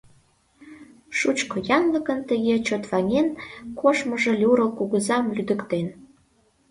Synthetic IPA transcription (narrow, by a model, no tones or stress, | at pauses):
ʃut͡ɕkojɑŋləkənt̪əɣet͡ɕot̪βɑŋʲenkoʃməʒelʲuɾɤlkuɣəzɑmlyd̪əkt̪en